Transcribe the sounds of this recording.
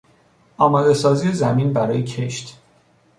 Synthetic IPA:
ɒːmɒːd̪e̞sɒːziːezæmiːnbæɾɒːjecʰe̞ʃt̪

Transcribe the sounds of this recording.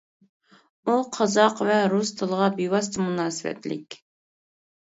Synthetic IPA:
uqʰɑzɑqvɛɾust̪ʰɨlˠəʁɑbiwɑs̬t̪ɨmunɑːsɨwɛ̰t̪lɪ̰kʲ

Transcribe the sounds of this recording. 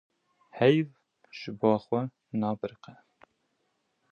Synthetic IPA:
hɛjv | ʒ̥ɨbɑːxwɛ | nɑːbɨɾqɛ

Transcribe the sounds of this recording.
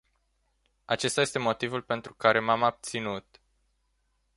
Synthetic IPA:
at͡ʃe̞st̪aje̞st̪e̞mo̞t̪ivulpe̞nt̪ɾukaɾe̞mamab̚t̪sinut̪

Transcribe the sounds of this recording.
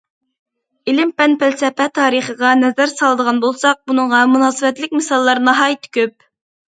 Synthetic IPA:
ɪlɪmpɛnpælsɛpɛt̪ʰɑːɾiχəʁɑnɛzæɾsɑlˠd̪əʁɑnbolˠsɑq̚bunəŋʁɑmunɑːsɨwɛt̪lɪkʲmɪsɑlˠːɑɾnɑɦɑːjit̪ʰɪ̥kʲøp̚

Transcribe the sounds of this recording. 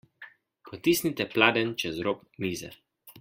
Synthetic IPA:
pʰɔt̪iːsnit̪ɛplaːd̪ɛnt͡ʃɛzɾoːp | niːzɛ̰

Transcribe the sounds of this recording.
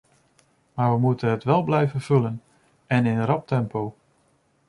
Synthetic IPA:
maːʋəmutənɦətʋɛlˠblɛjvənv̥ɵlən | ɛnɪnərɑp̚tɛmpow

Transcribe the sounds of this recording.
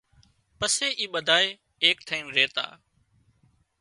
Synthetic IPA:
pəseːʔiːɓəd̪ʱaːeː | eːkʈʰaːimɾeːt̪a̰ː

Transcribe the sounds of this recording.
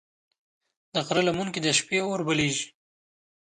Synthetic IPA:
d̪̥əqɾalamunkid̪aʃpeoɾbəleʒi̥

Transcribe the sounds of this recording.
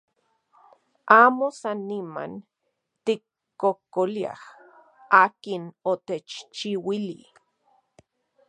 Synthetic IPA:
aːmosanːima̰n | t̪ikː | okolia̰h | aːkinot̪et͡ʃt͡ʃiwili

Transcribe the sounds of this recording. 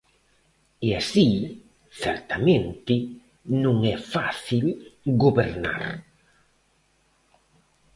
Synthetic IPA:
easi | θɛɾt̪amẽnt̪ɪ | nũŋɛfaθilɡobeɾna̰ɾ

